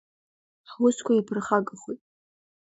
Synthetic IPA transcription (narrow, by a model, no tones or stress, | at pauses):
ħwʊskʷʰaipʰɨrχaɡɨχujtʼ